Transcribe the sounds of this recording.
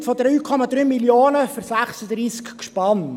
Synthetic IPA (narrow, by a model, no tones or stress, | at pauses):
tfɔd̪ɾyːkʰɔmɑd̪ɾyːmiljoːnəføsæχsəd̪ɾiːskʃpɑn